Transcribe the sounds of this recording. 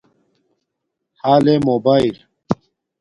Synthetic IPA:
haːlemoːbaːil

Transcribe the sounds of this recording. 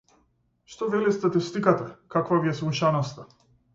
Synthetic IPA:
ʃt̪ɔvɛlist̪at̪ist̪ikat̪akakvaviɛsmuʃanɔst̪a

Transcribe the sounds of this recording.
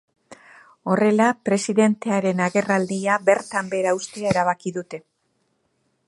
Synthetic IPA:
o̞re̞lapɾe̞siðe̞nt̪e̞aɾe̞naɣe̞rald̪iaβe̞ɾt̪ambe̞ɾaust̪eaeɾaβ̞akiðut̪e̞

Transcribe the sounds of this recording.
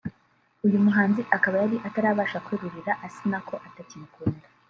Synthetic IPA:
ujumuɦaːnziʔakaβajaɾiʔataɾaːβaːʃakweɾuɾiɾaʔasinakʰo̞ʔatacimkundḁ

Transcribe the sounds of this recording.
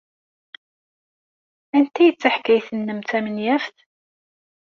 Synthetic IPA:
ænt̪æjət͡sːaħkːæjθənːəmt̪æmənjæfθ

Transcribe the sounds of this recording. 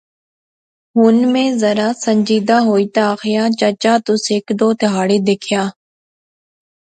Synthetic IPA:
ɦʊnmẽːzəɾaːsə̃ɲd͡ʒiːd̪aːɦoːit̪aːxɪjaːt͡ʃət͡ʃaːt̪ʊseːkd̪oːt̪ɪɦaːɽed̪eːkʰɪjaː

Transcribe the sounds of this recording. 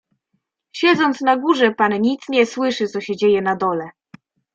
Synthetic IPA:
ɕɛd̪zɔnt̪snaɡuʐɛpanɲit̪sɲɛswɘʂɘt̪sɔɕɛd͡ʑejɛnad̪ɔlɛ

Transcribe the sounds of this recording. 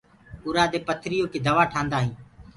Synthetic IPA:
ʊɾaːd̪eːpət̪ʰɾɪjoːkeːd̪əʋaːʈʰãːnd̪aːɦĩː

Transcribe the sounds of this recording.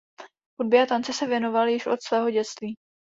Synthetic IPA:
xud̚bɪat̪ant͡sɛsɛvjɛno̞valjɪʃʔot̪svɛːɦo̞ɟɛt̪t͡st̪viː

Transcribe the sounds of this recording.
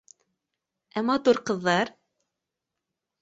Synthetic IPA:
æmɑt̪uɾqɤ̆ðːɑɾ

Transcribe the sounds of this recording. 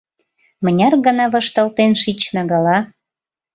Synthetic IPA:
mə̆nʲɑrɡə̆nɑβə̆ʃt̪ɤlt̪enʃit͡ɕnɑɣɑlɑ

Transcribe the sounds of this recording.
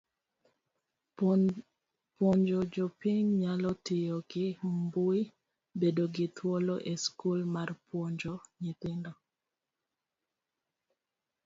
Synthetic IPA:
pwɔɲd͡ʒɔd͡ʒɔpɪɲɲalɔtɪjɔɡɪmbʊi | bedoɡɪtʰwɔlɔʔeskulmarpwɔɲd͡ʒɔɲɪt̪ɪndɔ

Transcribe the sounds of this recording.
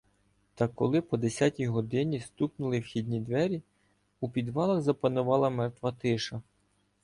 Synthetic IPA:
t̪ɐkːɔ̰lˠɪpɔd̪esʲatʲijɦɔd̪ɪnʲist̪uknʊlˠɪwxʲid̪ʲnʲid̪ʋɛɾʲi | upʲid̪ʋɑlˠɐɣzɐpɐnʊʋɑlˠɐmɛrt̪ʋɐt̪ɪʃɐ

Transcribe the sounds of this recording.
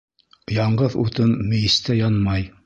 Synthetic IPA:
jɑɴɢɤðṵt̪ɤmːɘ̆jɘ̆st̪æjɑnmɑj

